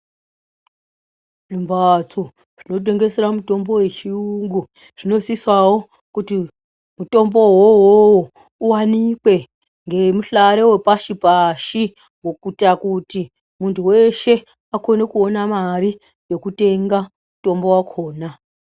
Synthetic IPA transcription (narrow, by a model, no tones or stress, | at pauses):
rimbat͡so | ʐ̥ino̞t̬e̞ŋɡe̞seɾamuto̞mbo̞we̞t͡ʃiuŋɡu | ʐ̥ino̞siswawo̞ | kuti | muto̞mbo̞wowowo | uwanikwe̞ | ŋɡe̞muɬaɾewepaʃipaʃi | ŋɡokutakuti | muntʰuwe̞ʃe̞ | ako̞ne̞kuonamari | jo̞kute̞ŋɡa | muto̞mbo̞wakʰo̞ːna